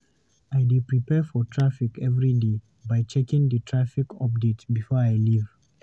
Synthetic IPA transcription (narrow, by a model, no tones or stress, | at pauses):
ajdipɹipɛfɔtʰɹ̥afikɛvɹide | bajt͡ʃɛkĩŋðətʰɹafikɔp̚detbifɔɹajliv̥